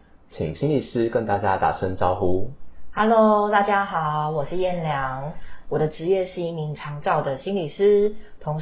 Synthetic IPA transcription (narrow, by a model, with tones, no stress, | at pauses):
t͡ɕʰḭ˨˩ŋɕi˥˦ŋli˨˩ʂɻ̩˦kə˧˦nt̪a˥˧˩t͡ɕja˦˥t̪a̰˨˩ʂə˦nʈ͡ʂɑ˦˥ʊxu˦ha˧˥lo˧˦ʊt̪a˥˩t͡ɕja˥xɑ˨˩ʊwɔ˨˩ʂɻ̩˥˧jɛ˥˩nljɑ˧˥ŋwɔ˨˩d̪ə˦ʈ͡ʂɻ̩˧˥jɛ˥˧ʂɻ̩˥˧i˥˩mi˧˥ŋʈ͡ʂʰɑ˧˥ŋt͡sɑ˥˩ʊd̪ə˩ɕi˥nli˨˩ʂɻ̩˥t̪ʰʊ˧˥ŋ